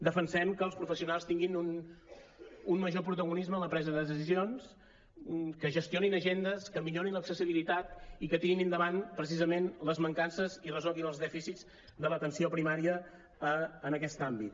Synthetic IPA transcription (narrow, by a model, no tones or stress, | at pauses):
d̪əfənsɛmkəːlˠspɾufəsiunalˠst̪iŋɡinun | ummːəʒopɾut̪əɣunizməːləpɾɛzəðəðəs̬izions | kəʒəst̪ioninəʒend̪əskəmiʎoɾinləksəsiβilit̪at̪ikət̪iŋinind̪əβanpɾəs̬izəmenləzməŋkansəzirəzɔlˠɣinəlˠzðɛfisiz | d̪ələt̪ənsiopɾimaɾiəː | nəkɛst̪ambit̪